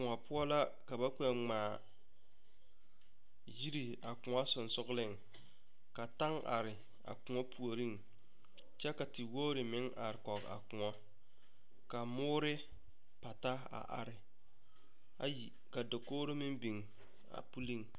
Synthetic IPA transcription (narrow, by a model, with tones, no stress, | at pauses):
ʊ˨ŋɔ˨pʊ˦ɔ˦la˦ | ka˨ba˦k͡pɛ˨ŋ͡maː˨ | ji˦ɾi˨ | a˨kʊ˨ŋɔ˦sʊ˨nsʊ˦ɣlɪ˦ŋ | ka˨ta˦ŋa̰˨ɾɪ˨ | a̰˨kʊ˨ŋɔ˦pʰu˨o˨ɾi˦˨ŋ | t͡ʃɛ˦ka˨tɪ˨woː˦ɾɪ˨mɪ˦ŋʔa̰˨ɾɪ˨kɔ˨ka̰˨kʊ˨ŋɔ˦ | ka˨mʊː˦ɾɪ˦ | pa˨ta˦ | a̰˨ʔa̰˨ɾɪ˨ | a̰˨ji˨ | ka˨do˨koː˦ɾo˦mɪ˦mbi˨ŋ | a̰˨pu˦li˦˨ŋ